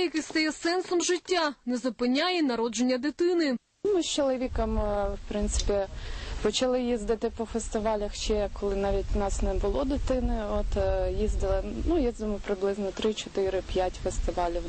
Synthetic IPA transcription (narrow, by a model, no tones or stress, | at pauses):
jɐkɪst̪ɐjɛsɛnsɔmʒɪtʲːanɛzʊpɪnʲːajɛnɐɾɔd͡ʒenʲːɐd̪ɪt̪ɪnɪ | mɪst͡ʃɔlˠɔʋʲikɐmwpɾɪnt̪sɪ̥pʲipɔt͡ʃɐlˠɪjizd̪ɪt̪ɪpɔfest̪ɪʋɑlʲɐxt͡ʃɛkːɔlˠɪnɑʋʲitʲnɑsnɛbʊlˠɔd̪ɪt̪ɪnɪɔt̪jizd̪ɪlˠɪnujizd̪ɪmɔpɾɪblˠɪznɔt̪ɾɪt͡ʃɔt̪ɪɾɪpʲjatʲfest̪ɪʋɑlʲiw